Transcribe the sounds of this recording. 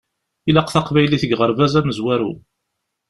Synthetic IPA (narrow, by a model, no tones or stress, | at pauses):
ilæqθɑqvæjliθəɡʁəɾvæzæməzwæɾṵ